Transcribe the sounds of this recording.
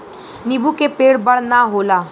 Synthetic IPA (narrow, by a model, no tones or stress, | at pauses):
nibʱukepeːɽbəɭnaɦolaː